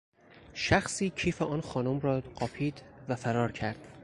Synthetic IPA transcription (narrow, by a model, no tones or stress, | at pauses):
ʃæxsiːcʰiːfeʔɒːnxɒːnomɾɒːɢɒːpʰiːd̪væfæɾɒːɾcʰæɾd̪̥